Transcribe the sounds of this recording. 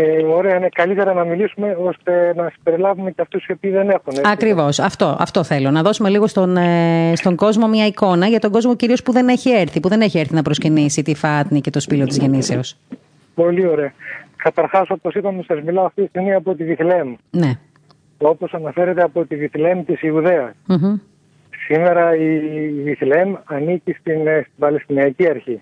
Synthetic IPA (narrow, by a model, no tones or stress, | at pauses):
eoɾeɐnekɐlit̪eɾɐnɐmilisume̞o̞st̪e̞nɐsibeɾilɐvumeceɐft̪usepiːðe̞ne̞xuneɐkɾivo̞sɐft̪o̞ʔɐ̰ft̪o̞θe̞lo̞nɐðo̞sume̞liɣo̞st̪onest̪o̞ŋɡo̞zmo̞mɲɐiko̞nɐʝɐt̪o̞ɡozmo̞ciɾio̞spuðe̞ne̞çie̞ɾθipuðe̞ne̞çieɾθinɐpɾo̞scinisit̪ifɐt̪nice̞t̪o̞spilo̞t̪izʝe̞niseos | po̞lio̞ɾe̞ɐkɐt̪ɐɾxɐso̞posipɐmisɐzmilɐoɐft̪itist̪iɣmiɐpo̞t̪iðiθle̞mne̞ | o̞po̞sɐnɐfe̞ɾet̪eɐpo̞t̪iðiθle̞mt̪isiuðe̞ɐsm̩ɦ̩ | sime̞ɾɐiðiθlemɐnicist̪inst̪ibɐlest̪iniɐciɐɾçi